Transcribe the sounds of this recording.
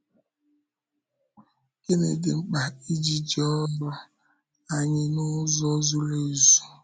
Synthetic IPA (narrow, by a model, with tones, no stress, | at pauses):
ke˦ne˨dɪ˨ŋ͡m̩˦k͡pa˨i˦d͡ʒi˦d͡ʒe˦ɔ˦lɔ˦ | a˨ɲɪ˨nʊ˦zɔ˦zu˦le˦˨zu˨